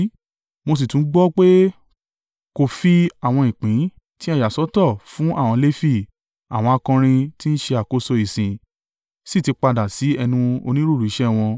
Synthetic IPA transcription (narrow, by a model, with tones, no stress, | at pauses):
mo˧s̬i˨tũ˨˦ɡ͡bɔ˦k͡pe˦ | ko˦˨fi˦a˦˨w̃ɔ̃˧ĩ˨k͡pĩ˨˦ | tĩ˦a˦ja˨sɔ˨˦tɔ˦˨fũ˨˦ʔa˦˨w̃ɔ̃˧le˦fi˦˨ | a̰˨w̃ɔ̃˧a˧kɔ̃˧ɾ̃ĩ˧ti˦n̩˦ʃe˧a˨ko˦so˧i˨sĩ˨ | si˦˨ti˧k͡pa˧da˨si˨˦ɛ˧nũ˧o̰˧nĩ˦ɾu˦˨ɾu˨i˨˦ʃɛ˦˨w̃ɔ̃˧